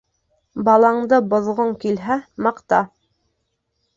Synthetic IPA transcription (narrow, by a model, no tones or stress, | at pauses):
bɑlˠɑɴd̪ɤbŏðʁoŋkilɦæmɑqt̪ɑ